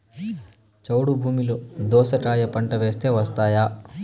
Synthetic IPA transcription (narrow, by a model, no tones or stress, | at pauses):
t͡ʃɐwɽubʱuːmilud̪ɔːsɐʈaːjɐpɐɳʈɐʋe̞ːst̪e̞ːʋɐst̪aːjaː